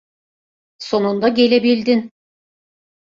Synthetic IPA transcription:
so̞nund̪aɡʲe̞lʲebilʲd̪in

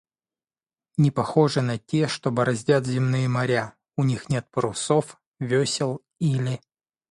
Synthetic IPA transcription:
nʲɪpɐxo̞ʐɨnɐtʲe̞ʂt̪obɐɾɐzʲdʲat̪zʲɪmnɨjəmɐɾʲa | ʊnʲixnʲe̞t̪̚pɾʊso̞f | vʲesʲɪlˠ | ilʲɪ

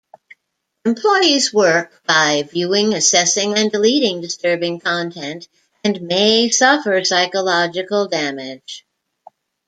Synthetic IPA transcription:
ɨ̃mpʰl̥ɔɪizwɜ˞k̚b̥aɪvjʉɪ̃ŋɨsɛsɪ̃ŋɨ̃ndəliɾɪ̃ŋdɨstɜ˞bɪ̃ŋkʰɑ̃ntʰɛ̃nt | ɨ̃nmeɪsʌfə˞saɪkəlɑd͡ʒɨkl̩ˠdæmɪd̥ʒ̥

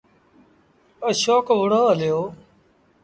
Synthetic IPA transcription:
əʃoːkʋʊɽ̤oːəlɪjoː

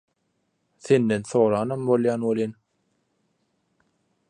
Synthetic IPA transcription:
θend̪enθoːɾɑːnɑmbolˠjɑːnwolin

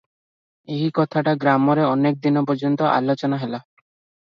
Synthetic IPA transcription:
eɦikɔt̪ʰaʈaɡɾamɔɾeɔnek̚d̪inɔpɔɾd͡ʒɔnt̪ɔʔa̰lot͡ʃɔnaɦela

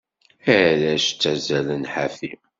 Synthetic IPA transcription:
ælæʃt͡sːæzælənħafi

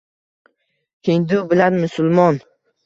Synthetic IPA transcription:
kʲʰeŋd̪ʊbɪlanmʊsʊlˠmɒn

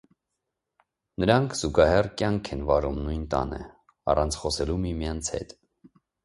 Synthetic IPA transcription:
nəɾɑŋkʰz̥uɡɑɦɛrkjɑŋkʰɛnvɑɾumnujnt̪ɑ̰nɛ̰ | ɑ̰rɑnt͡sʰχɔsɛlumimjɑnt͡sʰhɛ̰t̪

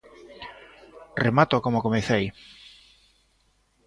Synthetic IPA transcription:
remat̪okomokomeθej

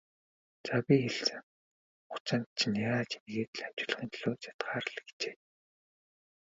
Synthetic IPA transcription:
t͡sapʲixeɮt͡sɘ̆ŋ | χʊ̥t͡sănt̪̚t͡ɕʰnaaːt͡ɕimeɣeːt̪̆ɮam̥t͡ɕɪ̆ɮə̆χiːnt̪ʰɮoːt͡sḁt̪ɢaːɾə̆ɮ̆kt͡ɕeː

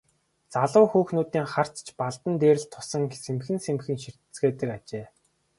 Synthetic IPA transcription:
t͡saɮʊːxuːxnuːt̪iːŋχar̥t͡st͡ɕpaɮt̪ə̆nt̪eːɾɘ̆t̪ʰːʊ̥sə̆ŋsemxɘ̆nsemxɘ̆ŋʃir̥t̪ɘ̥̆t͡sɡeːt̪ə̆kat͡ɕeː

